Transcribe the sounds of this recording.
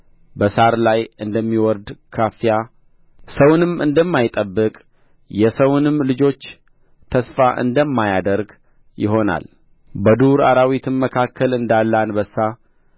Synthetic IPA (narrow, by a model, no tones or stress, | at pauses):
bəsaɾlajɨnd̪əmːiwɔɾd̪kʰafja | səwnɨmɨnd̪əmːajɪt̪ʼəbːɨkʼ | jɛsəwnɨmlɨd͡ʒo̞t͡ʃː | t̪ʰəsfaʔɨ̰nd̪əmːajad̪əɾɡ | jɪ̰ɦo̞na̰l | bəd̪uɾaɾawit̪ʰɨnməkʰakːəlɨnd̪alːanbəsːa